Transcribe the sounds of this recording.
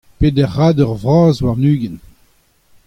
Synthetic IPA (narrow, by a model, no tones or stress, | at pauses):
pedɛʁːaːdœʁvʁɑ̃ːzwaʁnyːɡɛn